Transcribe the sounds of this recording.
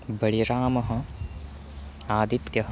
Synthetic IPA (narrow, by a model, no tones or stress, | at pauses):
bɐɭiɾaːmɐɦɐ̆ | aːd̪it̪jɐɦɐ